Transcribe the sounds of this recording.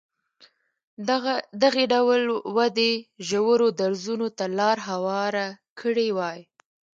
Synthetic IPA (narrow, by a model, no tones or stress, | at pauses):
d̪aɣeɖawlwad̪eʒawəɾod̪aɾzunot̪alɑɾɦawɑɾakʰəɽewɑj